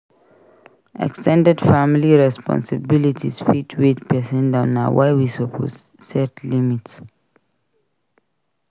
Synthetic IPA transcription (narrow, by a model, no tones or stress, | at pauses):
ʔɛ̰kstʰɛ̃ndɛdfamiliɹɛspɔ̰̃nsəbilitʰḭsfitʰwidpʰɛsɛ̃ndãʊ̃na̰wʔaɪwisɔpʰɔ̰t | sɛtlimits